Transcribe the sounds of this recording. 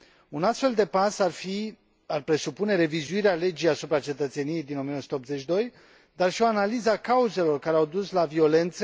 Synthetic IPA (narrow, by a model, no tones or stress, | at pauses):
unast̪fe̞ld̪e̞pasfi | arpɾe̞supune̞ɾe̞vizuiɾeale̞d͡ʒijasupɾat͡ʃe̞t̪ət̪se̞nije̞jd̪inomiənosu̥t̪eopzet͡ʃʲd̪o̞j | d̪arʃio̞analizakauze̞lo̞rkaɾeawd̪uslavio̞le̞nt̪se